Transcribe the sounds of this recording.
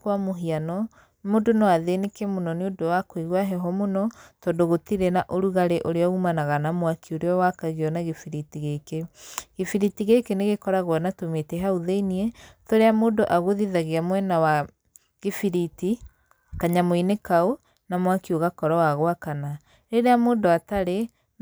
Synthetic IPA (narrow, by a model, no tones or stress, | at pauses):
kwamoɦianɔ | modonɔaðenekemonɔneodowakwiɣwaɦɛɦɔmonɔtɔndoɣotiɾɛnaʔoɾuɣaɾeʔoɾeɔumanaɣanamwakʰioɾeɔwakaɣiɔnaɣifiɾitiɣekeɣefiɾitiɣekeneɣekɔɾaɣwɔnatometɛɦauðeiniɛtoɾeamoːndoʔaɣoðiðaɣeamwɛnawa | ɣefiɾiti | kaɲamoinekao | namwakioɣakɔɾɔwaɣowakana | ɾeɾeamoːndoataɾe